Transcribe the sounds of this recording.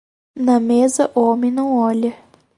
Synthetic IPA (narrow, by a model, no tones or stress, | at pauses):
nɐmezɐʔomẽj̃nɐ̃w̃ɔʎɐ